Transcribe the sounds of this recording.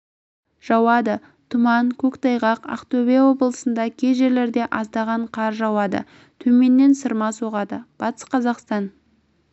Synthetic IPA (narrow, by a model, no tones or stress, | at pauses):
ʒ̥ɑwɑd̪ə | t̪ʰʊmɑnkʲʰɵkt̪ɑjʁɑqɑ̰qt̪obewo̞bəlˠəsənd̪ɑkʲʰe̞ʒe̞ɾle̞ɾd̪e̞ʔɑzd̪ɑʁɑɴqʰɑɾʒɑwɑd̪ə̰ | t̪ʰɵme̞nːe̞nsəɾmɑsoʁɑd̪əb̥ɑt̪ə̥sqʰɑzɑqst̪ɑn